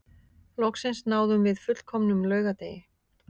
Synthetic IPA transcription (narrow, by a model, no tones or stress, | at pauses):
lɔksɪnsnaːwðʏmvɪðfʏt̪l̥kʰɔmnʏmlœːɥɣat̪ḛːjɪ